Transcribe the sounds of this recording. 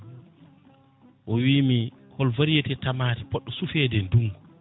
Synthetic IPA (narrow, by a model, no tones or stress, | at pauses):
ʔɔwiːmikʰɔlvaɾijɛtɛtamaːti̥pɔɗːɔsufɛːdɛnduŋɡ